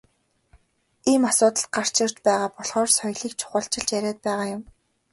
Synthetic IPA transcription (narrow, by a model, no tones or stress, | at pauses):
iːmasʊːt̪ə̆ɬt̪̚ɢar̥t͡ɕɪ̆r̥t͡ɕpæːʁaːpɔɮχɔːrsɔjɮiːkt͡ɕʰʊ̥χə̆ɬt͡ɕɪ̆ɮt͡ɕjæɾʲæːt̪̚pæːʁaːjʊm